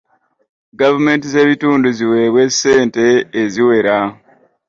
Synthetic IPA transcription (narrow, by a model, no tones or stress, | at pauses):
ɡavume̞ːntize̞ːβituːnduziwe̞βwe̞se̞ːnte̞ːziwe̞ɾa